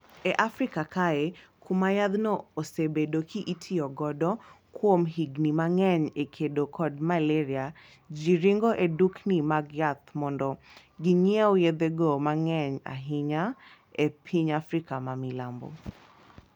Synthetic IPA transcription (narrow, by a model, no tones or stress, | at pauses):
ɛʔafɾikakaekʰumajad̪nɔosebedokʰiʔitʰiɔɡɔdɔ | kwomɦiɡnimaŋɛɲekʰedokʰɔdmalɛɾia | d͡ʒiɾiŋɡɔʔeduknimaɡjat̪mɔndɔ | ɡiɲeojed̪eɡomaŋɛɲa̰ɦɪɲa | epʰiɲafɾikamamilambo̰